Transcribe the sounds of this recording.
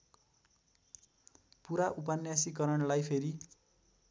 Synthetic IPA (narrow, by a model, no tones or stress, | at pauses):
puɾaʔupanjasikʌɾʌɳlajpʰeɾi